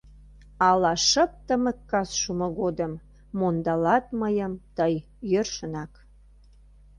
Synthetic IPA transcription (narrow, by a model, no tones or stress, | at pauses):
ɑlɑʃəp̚t̪əməkːɑsʃumoɣod̪əmː | ond̪ɑlɑt̪̚məjəmt̪əj | jørʃənɑk